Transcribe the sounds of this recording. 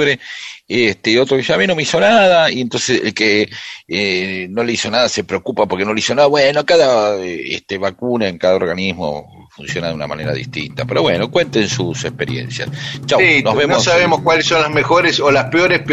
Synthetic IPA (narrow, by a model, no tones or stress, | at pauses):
ɾeest̪eot̪ɾoβisoamino̞meisonaðaient̪nsesḛlkeeno̞leiso̞naðase̞pɾeokupapoɾkeno̞leiso̞naðaβwenokaðaḛt̪eβakunaeŋkaðaoɾɣanizmo̰ | funsjonaðeuna̰ma̰neɾa̰ðḭht̪ḭnt̪apeɾo̞βweno̞kwe̞nt̪ensusekpeɾjḛnsja̰st͡ʃawnozβemnmossaβemoskwalesːonlazmexoɾesolaspeoɾesp